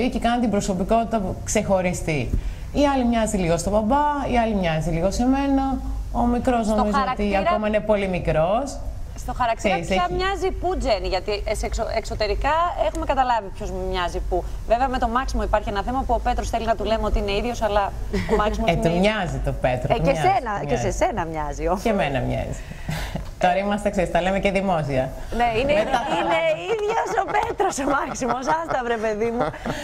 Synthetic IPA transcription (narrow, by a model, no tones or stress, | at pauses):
icekɐnt̪imbɾo̞so̞piko̞t̪it̪ɐkse̞xo̞ɾist̪i | iɐlimɲɐziliɣo̞st̪o̞bɐbɐiɐlimɲɐziliɣo̞se̞me̞nɐomikɾo̞zno̞mizoot̪iɐɾkomɐinepo̞limikɾo̞sst̪oxɐɾɐk̚t̪seiseɐmɲɐzipud͡zeniʝɐt̪isksoekso̞t̪e̞ɾikɐexume̞kɐt̪ɐlɐvipçozmɲɐzipuveveɐme̞t̪o̞mɐksimo̞ipɐɾçienɐθemɐpuo̞pe̞t̪ɾo̞sθe̞linɐt̪ule̞meo̞t̪iine̞iðʝo̞sɐlɐomɐksimot̪umɲɐzit̪opet̪ɾoessenɐcesese̞nɐmɲɐziocemenɐmɲɐ̰zi̥ | t̪oɾɐimɐst̪ekseɾist̪ɐlemeceðimo̞siɐ | neineeɐineiðʝoso̞pet̪ɾosomɐksimo̞s̬ɐst̪ɐvɾepe̞ðimu